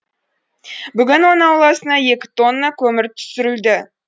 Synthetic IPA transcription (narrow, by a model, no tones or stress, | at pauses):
bʏɡʲɪnwo̞nəŋɑwlˠɑsənɑje̞kʲɪ̥t̪o̞nːɑkʲʰɵmɪɾt̪ʰʏ̥sɪɾɪld̪ɪ